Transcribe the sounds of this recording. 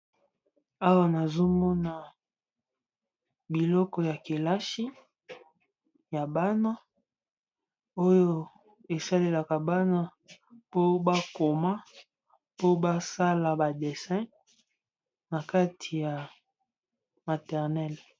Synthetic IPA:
a˦wa˦na˨zo˦mɔ˦na˨ | bi˨lɔ˦kɔ˨ja˨ke˨la˦ʃi˦ | ja˨ba˦na˦ | o˦jo˦ | e˨sa˦le˨la˨ka˨ba˦na˦ | po˦ba˦ko˨ma˦ | po˦ba˦sa˦la˨ba˨de˨sɛ̃˦ | na˨ka˦tʰi˨ja˨ | ma˨tɛ˨ʁnɛ˦l

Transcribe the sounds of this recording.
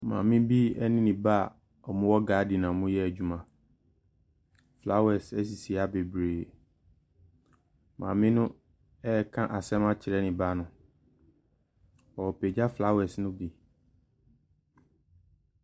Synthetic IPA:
mã̰˨mɪ̃˦bi˦ɛ˦nɪ̃˦nĩ˨ba˦˨ | ɔ˨mʊ̃˦wɔ˦ɡaː˨˦di˨nã˨mʊ̃˦jɛ˦æ˨d͡ʑᶣu˨mã˨ | fla˦wɛ˨sɛ˦s̬i˨si˨a˦be˨bɾeː˨ | mã̰ː˨mɪ̃˦nʊ̃˦ | ɛ˦kʰã˦ʔa˨sɛ˦mã˦t͡ɕʰɪ˨ɾɛ˦nɪ̃˨ba˦nʊ̃˨ | ɔ˨wɔ˨pe˨d͡ʑa˦fla˦wɛ˨snʊ̃˦bi˨

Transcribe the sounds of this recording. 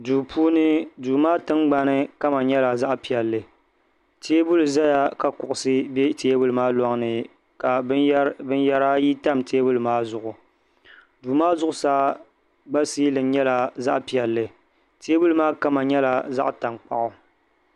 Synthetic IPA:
duː˨pʰuː˦nɨ˦duː˨maː˦tɨ˦ŋɡ͡ba˦nɨ˦ka˦ma˨ɲɛ˦la˨za˦ʔpi˨ɛ˨lːɨ˨ | teː˦bʊ˦lɨ˨za˦ja˦ka˨kʊ˨ʔʊ˨sɨ˦be˦teː˦bʊ˦lɨ˨˦maː˦lɔ˦ŋ˦nɨ˨ | ka˨bɨ˦n˦ja˦ɾa˦ji˦ta˦mtʰeː˦bʊ˦lɨ˨maː˦zʊ˨ʔʊ˨ | duː˨maː˦zʊ˦ʔʊ˨saː˦ | ɡ͡ba˦siː˦lɨ˨˦ɲɛ˦la˨za˦ʔpi˨ɛ˨lːɨ˨ | teː˦bu˦lɨ˦maː˦ka˦ma˨ɲɛ˦la˨za̰˦ʔta˨ŋk͡pa̰˨ʔʊ˨

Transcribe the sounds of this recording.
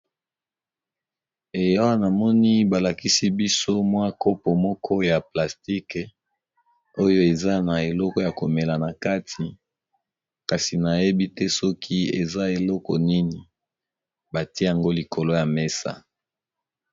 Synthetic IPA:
e˨ja˦wa˦na˨mɔ˦ni˦ba˨la˨ki˦si˦bi˦so˦mwa˦ko˦pɔ˨mɔ˦kʰɔ˦ja˨pla˨sti˦k | o˦jo˦e˨za˦na˨e˨lɔ˦kɔ˨ja˨ko˨me˨la˨na˨ka˦tʰi˨ | ka˨si˨na˨je˦bi˦tɛ˦sɔ˦kʰi˦e˨za˦e˨lɔ˦kɔ˨ni˦ni˨ | ba˨ti˦e˦ja˨ŋɡo˦li˨kʰo˨lo˦ja˨me˦sa̰˦

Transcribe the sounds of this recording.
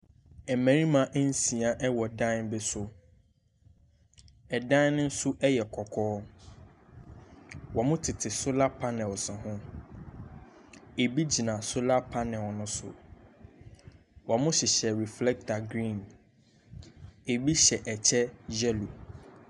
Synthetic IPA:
ɛ˨mæ̃˨ɾĩ˦mã˨˦ʔn̩˦si˨a˨ʔɛ˦wɔ˨dã˦nbɪ˦sʊ˨ | ɛ˨dã˦n˦nʊ̃˦n̩˦sʊ˦ʔɛ˦jɛ˨kʰɔ˨kʰɔː˦ | wɔ˨mʊ̃˦tʰɪ˨tʰɪ˨sʊ˦la˦pʰa˦nɛ̃˨lsɪ̃˨ɦʊ̃˦ | e˨bi˦d͡ʑi˨nã˨sʊ˦la˦pʰa˦nɪ̃˨wɔ˨nʊ̃˦sʊ̰˨ | wɔ˨mʊ̃˦ɕɪ˨ɕɛ˨ɾi˨flɛ˦k̚tʰa˨ɡɾĩ˦˨n | e˨bi˦ɕɛ˨ʔɛ˨t͡ɕʰɛ˦d͡ʑɛ˦lo˨

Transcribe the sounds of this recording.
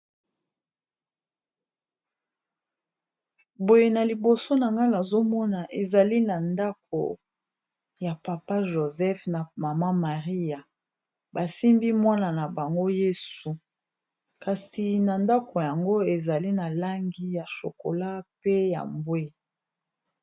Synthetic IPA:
bo˨je˨na˨li˨bo˨so˦na˨ŋɡa˦la˨zo˦mɔ˦na˨ʔe˨za˨li˦na˨nda˦k̚o̰˨ | ja˨pa˨pa˦ʒo˨zɛ˦fna˨ma˨ma˦ma˨ʁi˦ja˨ | ba˨si˦mbi˦mwa˦na˨na˨ba˨ŋɡo˦je˦su˨ | ka˨si˨na˨nda˦ko˨ja˨ŋɡo˦e˨za˨li˦na˨la˦ŋɡi˦ja˨ʃo̰˨ko̰˨la˦pe˦ja̰˨mbwe˦

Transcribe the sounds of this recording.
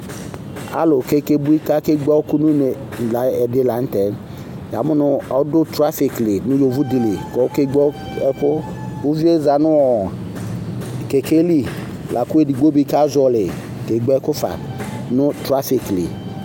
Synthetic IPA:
a̰˦lʊ˨ke˦ke˦bu˦i˦ka˦ke˦ɡ͡bɔ˦kʊ˦nu˦ne˨la˨˦ɛ˨dɪ˨˦la˨˦n̩˦tɛ˨˦n | ja˨mʊ˦nʊ˦ɔ˦dʊ˦tɾa˦fɪ˨klɪ˨nʊ̃˦jo˨vu˦dɪ˨li˨kɔ˨˦ke˦ɡ͡bɔ˦ | ɛ˦kʊ˦ | u˦vi˦e˦za˨nʊ˦ɔ˨ | ke˨ke˦li˦ | lʔa˨kʊ˦e˦di˨ɡ͡bo˦bi˦ka˦zɔ˨lɪ˨ | ke˨ɡ͡bɛ˦kʊ˦fa̰˨nʊ˦tɾa˦fi˨klḭ˨

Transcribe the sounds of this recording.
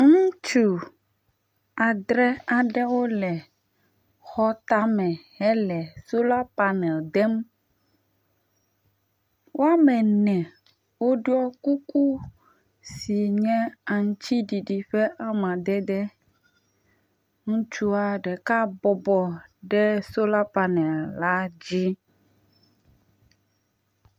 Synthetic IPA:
ŋũ˦t͡ʃu˨ | a˨d̪ɾɛ˦a˨ɖɛ˦wo˦lɛ˨ | xɔ˦t̪a˦mɛ̃˨hɛ˦lɛ˨so˦la˦pa˨nɛ˨ld̪ɛ˦m | wʔo˦a˦mɛ˨nɛ̃˨ | wo˦ɖu˦ɔ˦ku˦ku˦ | si˨ɲɛ̃˦a˨ŋ˦t͡ɕi˦ɖi˨i˨ɸɛ˦ʔa˦mã˨d̪ɛ˦d̪ɛ˦ | ŋũ˦t͡ʃu˦a˨ɖɛ˨ka˦bɔ˨bɔ˨ɖɛ˦so˦la˦pa˨nɛ˨lla˦d͡ʑi˦

